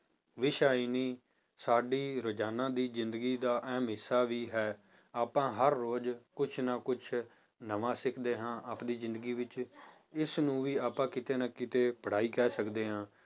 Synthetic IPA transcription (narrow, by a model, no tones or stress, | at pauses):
ʋɪʃaːiːniː | saːɖiːɾʊd͡ʒaːnãːd̪iːzɪ̃nd̪əɡiːd̪aːʔɛːmɪsaːʋiːɦɛː | aːpãːɦəɾːoːd͡ʒkʊt͡ʃʰnaːkʊt͡ʃʰ | nəʋãːsɪkʰd̪eːɦãːʔaːpd̪iːzɪ̃nd̪əɡiːʋɪt͡ʃ | ɪsnũːʋiːaːpãːkɪt̪eːnaːkɪt̪eːpəɽ̤aːiːkɛːsəkd̪eːɦãː